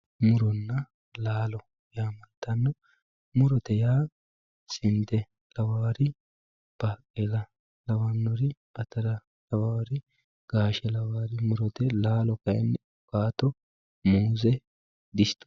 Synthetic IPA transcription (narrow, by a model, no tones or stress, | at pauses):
mʊɾɔnːɐ | laːlɔ | jaːmɐlt̪ːɐnːɔ | mʊɾɔt̪ɛjaː | sɪnd̪ɛ | lɐwaːɾɪ | b̥aːkʼːelɐ | lɐwanːɔɾɪ | ɐt̪ɐɾɐ | lɐwaːɾɪ | ɡ̥aːʃɛlɐwaːɾɪmʊɾɔt̪ɛlaːlɔkɐjɛ̰nːɪ | ʊkaːt̪ːɔ | muːzɛ | d̪ɪst̪ʊ̥